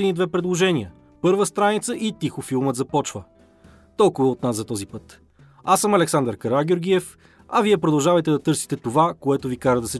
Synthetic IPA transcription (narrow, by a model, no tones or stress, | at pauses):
nid̪vɛpɾɛd̪lˠoʒɛniə | pɤɾvəst̪ɾanit̪səʔit̪ixʊfilˠmət̪zɐpɔt͡ʃvə | t̪ɔlˠkʊvəot̪nasɐt̪ɔzipɤt̪ | asəmɐlɛksand̪əɾkəɾaɡʲoɾɡiɛf | ɐviɛpɾod̪ɐlˠʒavɐjt̪ɛd̪ɐt̪ɤɾsi̥t̪ɛt̪ovakoɛt̪ovikaɾəd̪ɐsɛ